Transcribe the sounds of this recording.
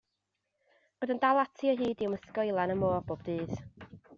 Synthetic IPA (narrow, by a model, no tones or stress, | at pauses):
bodəndalˠatʰiɔɦɨːdɪwməskojlˠanəmoːrb̥oːbdɨːð